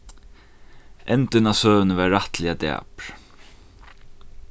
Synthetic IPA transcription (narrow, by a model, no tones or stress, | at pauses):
ɛnt̪ɪnasœːvnəvɛːaht̪lɪat̪a̰ːpɾ̥